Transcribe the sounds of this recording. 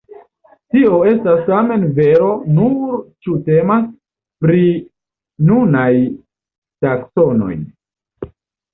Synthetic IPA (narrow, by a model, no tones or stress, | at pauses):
tio̞e̞stastame̞nve̞ɾo̞nuɾt͡ʃute̞mas | pɾi | nunaj | takso̞no̞̰j